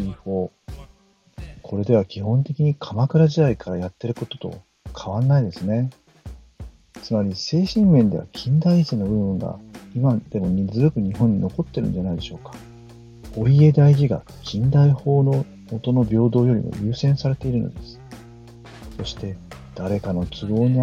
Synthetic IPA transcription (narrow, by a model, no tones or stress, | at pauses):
iɸo̞ː | kʰo̞ɾe̞d̪e̞β̞akʲihõ̞nt̪e̞kʲiɲ̟ikʰamakɯ̟ɾaʑid̪aikʰaɾajat̪ːe̞ɾɯ̟ko̞t̪o̞t̪o̞̰ | kʰaβãnːaid̪e̞sɨne̞ | t͡sɨmaɾʲise̞ːɕĩmmẽ̞nd̪e̞a̰kʲʰĩnd̪aisenobɯ̟ɯ̟̃ŋɡa̰imad̪̥e̞mo̞ɲ̟izɨzɨkɯ̟ɲ̟iɦõɲ̟ːino̞ko̞t̪ːe̞ɾɯ̟nd͡ʑanaid̪e̞ɕo̞ːkḁ | o̞ie̞d̪aiʑiɡa̰ | kʲʰĩnd̪aiho̞ːno̞ | mot̪o̞no̞bʲo̞ːd̪o̞ːjo̞ɾʲḭmo̞̰ɾʲɯ̟ːsẽ̞ɰ̃saɾe̞t̪e̞iɾɯ̟no̞̰d̪e̞sɨ̥ | so̞ɕi̥t̪e̞d̪̥aɾe̞kano̞t͡sɨɡo̞ːɲ̟i